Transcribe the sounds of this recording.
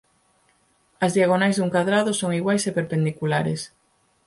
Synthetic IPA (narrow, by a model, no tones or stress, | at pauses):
ɐzðiaɣ̞onajzðuŋkaðɾaðosoŋiɣwajsepeɾpend̪ikulaɾḛs